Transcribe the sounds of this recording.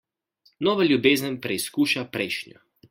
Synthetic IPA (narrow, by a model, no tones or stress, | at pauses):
nɔːʋalʲjubeːzənpɾɛiskuːʃapɾɛjʃnjɔ̰